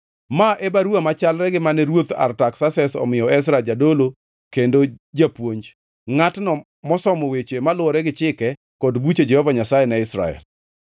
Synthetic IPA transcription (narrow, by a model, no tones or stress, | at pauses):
maʔebaɾuamat͡ʃalɾɛɡɪmanɛɾwot̪a̰rtaksasɛsɔ̰mɪjɔɛs̬ɾad͡ʒadolo | kendod͡ʒapwoɲd͡ʒ | ŋatnɔ | mɔsɔmowet͡ʃemalʊɔɾɛɡɪt͡ʃɪkɛ | kɔdbut͡ʃed͡ʒɛhɔvaɲasajɛnɛɪsɾa̰ɛ̰l